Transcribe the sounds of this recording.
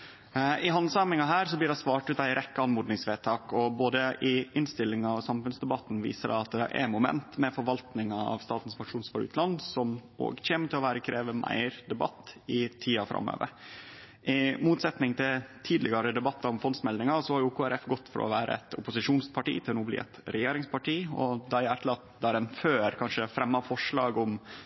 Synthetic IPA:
ɪɦɑnsɑːmɪŋɑɦæːɾsɔblɪɖɛsʋɑːʈʉːt̪æɪɾʔɛkːəɑnmuːd̪nɪŋsʋeːt̪ʰɑːkɔboːd̪əʔɪʔɪnst̪ɪlːɪŋɑʋsɑmfʉnsd̪ɛbɑt̪ːn̩ʋḭːsədæ̰ɑt̪̚d̪ɛ̰ʔɛ̰mʊmɛ̰nt̪mɛfɔɾʋɑlt̪nɪŋɑɑ̰ʋst̪ɑːt̪n̩sfɑkʂuːnsfɑːɾʉ̰ːt̪ʰlɑnsɔmo̰ːɡçeːmət̪ʰɪlɔʋæːɾəkʰɾeːʋəmʔæ̰ɪɾd̪ɛbɑ̰t̪ːɪt̪ʰiːɑfɾʔɑ̰mːø̰ːʋə̰ɾ | ʔɪmuːt̪sɛt̪nɪŋt̪ʰɪt̪ʰiːd̪lɪɡɑɾəd̪ɛbɑt̪ːɑɾɔmfɔnsmɛld̪ɪŋɑsɔhɑɾjʊkʰuːæɾɛfɡɔt̪ːfɔ̰ɾʔɔ̰ʋæːɾə̰ɛ̰t̪ʊpʊsɪʂuːnspʰɑʈḭːt̪ʰɪlnuːblɪ̰ːɛ̰t̪ɾɛjeːɾɪŋspʰɑʈiːɔd̪ɑɪæʈ̪lɑt̪d̪æːɾɛnføːɾkʰɑnʂəfɾɛmːɑfɔʂɭɑːɡʊm

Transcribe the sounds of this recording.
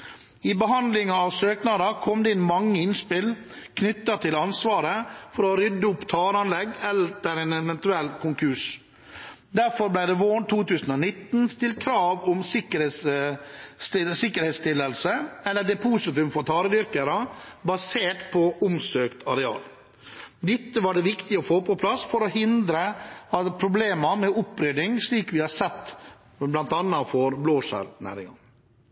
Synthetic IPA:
ɪbəɦɑnd̪lɪŋɑɑʋsøːknɑd̪ɑkʰɔmd̪ɛɪnmɑŋːəɪnspɪl | kʰnʏt̪ːɑt̪ʰɪlɑnsʋɑːɾəfɔɾɔɾʏd̪ːəʊpːt̪ʰɑːɾɑnlɛɡɛlt̪əɾɛnɛʋɛnt̪ʉɛlːkʊŋkʰʉʂ | d̪æɾfɔɾblæɪd̪ɛʋoːɳt̪ʰuːt̪ʉːsən̩ɔːnɪt̪ːn̩st̪ɪlt̪kʰɾɑːʋʊmsɪkəɾ | ɪsɪkːəɾhɛt̪st̪ɪlːəlsəɛlːəɖ̪ɛpʰuːsɪt̪ʉmfɔɾt̪ʰɑːɾəd̪ʏɾkəɾəbɑseːʈpʰɔʔʊmsøːkt̪ɑɾɛɑ̰ːl | d̪ɪt̪ːəʋɑɖɛʋɪkt̪ɪɔfoːpʰɔpʰlɑsfɔɾɔhɪnd̪ɾəɑt̪pʰɾʊbleːmɑmɛʊpːɾʏd̪ɪŋʂɭiːkʋɪhɑsɛt̪ː | blɑnt̪ɑnːɑfɔɾbloːʂæ̰ɾnæ̰ːɾɪŋɑn

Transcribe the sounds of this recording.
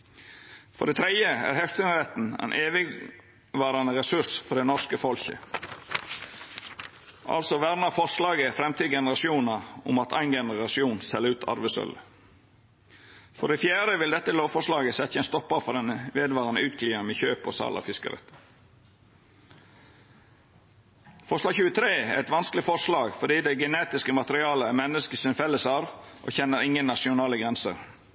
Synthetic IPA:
fɔ̰ɖ̪ɛːt̪ʰɾɛəæ̰ːɾhɛft̪ʉnəɾɛt̪n̩æ̰nʔeːʋɪ | ʋɑːɾɑnəʁɛsʉsfɔɖ̪ɛnɔskəfɔlçə̰ | ʔɑ̰lsɔʋæɾnɑfɔʂlɑːɡəfɾɛmt̪ʰiːɡɛnəɾɑsɪuːnɑʊ̰mɑt̪ʰæɪnɡɛnəɾɑsɪuːnsɛləɾʉːt̪ʰɑ̰ɾʋəsœ̰lə | fɔɖɛfjæːɾəʋɪld̪ɛt̪ːəloːʋfɔʂlɑːɡəsɛt̪səɛnst̪ɔpːəɾfɔd̪ɛnəʋeːd̪ʋɑːʁənəʉːt̪̚kʰliːəmɛçøːpɔ̰sɑ̰ːlʔɑ̰fɪskə̰ɾɛ̰t̪ | fɔʂlɑːɡçʉːət̪ʰɾeːæɛt̪ʋɑnsklɪfɔʂlɑːɡfɔɖiːd̪ɛɡəneːt̪ɪskəmɑt̪əɾɪɑːləæmɛnːəskəsɪnfɛlːəsɑɾʋʔo̰ːçɛnːəɾɪŋənːɑʂɪʊnɑːləɡʁɛnsə̰ɾ

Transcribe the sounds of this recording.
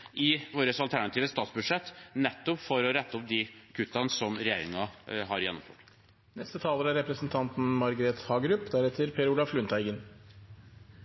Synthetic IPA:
ʔɪʋoːɾəsɑlt̪ʰæɳɑt̪iːʋəst̪ɑːt̪sbʉd̪ʂɛt̪ːnɛt̪ːɔpfɔɾɔɾɛt̪ːəɔp̚d̪ikʰʉt̪ːɑnsɔmɾɛjeːɾɪŋɑɦɑɾjɛnːɔ̰mfø̰ːʈ | nɛst̪ət̪ʰɑːləɾæɾɛpɾəsənt̪ʰɑnt̪n̩mɑɾɡəɾeːt̪hɑːɡɾʉpːd̪æɾɛt̪ʰəɾpʰeːɾulɑflʉnt̪ʰæɪɡən

